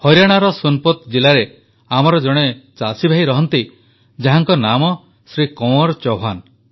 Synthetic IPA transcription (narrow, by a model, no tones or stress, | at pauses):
hɔjɾaɽ̃aɾɔsunpɔt̪d͡ʒilaɾe | amɔɾɔd͡ʒɔɽ̃et͡ʃasibʱaiɾɔɦɔnt̪i | d͡ʒaɦaŋkɔnamɔ | sɾikɔwɔɾt͡ʃɔɦan